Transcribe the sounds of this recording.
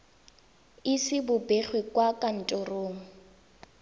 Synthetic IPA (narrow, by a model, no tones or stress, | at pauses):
ɪsɪbʊbeχwekʼwakʼan̩tʼʊroːŋ̩